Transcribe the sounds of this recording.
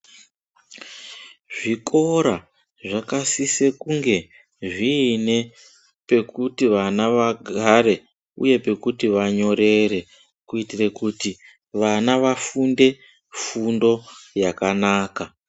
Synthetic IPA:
ʐikʰo̞ɾa | ʐakasise̞kuŋɡe̞ | ʐiːne̞ | pe̞kutiʋanaʋaɡʱaɾe̞ | ṵje̞pe̞kutiʋaɲo̞ɾe̞ɾe̞ | kuitirekuti | ʋanaʋafunde̞ | fundo̞jakanaːka

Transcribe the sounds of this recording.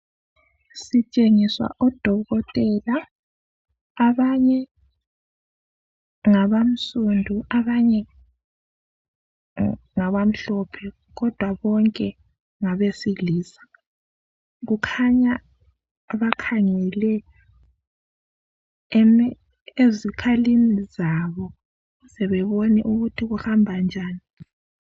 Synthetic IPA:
sit͡ʃʼeŋiswa̰ʔɔd̥ʱɔɣɔtʼɛla | βaɲɛ | ŋaβam̩sundʱuʔaβaɲɛ | ŋaβam̩ɬɔpʰɛ | ɣɔd̥ʱwaβɔŋkʼɛ | ŋaβesiliːsḁ | ɣukʰaɲaː | βakʰaŋɛlɛ | ezikʰalinizaβɔ | ɣusɛβɛβɔnɛ̰ʔuɣutʰiɣuhambʱand͡ʒʱaːni

